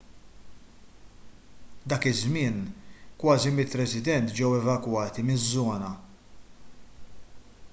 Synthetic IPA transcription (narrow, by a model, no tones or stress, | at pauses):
d̪ɐːkɪzmɪːnkwɐːzimɪt̪ɾɛsɪd̪ɛnt̪d͡ʒɛwɛvɐkwɐːt̪imɪzːɔːnɐ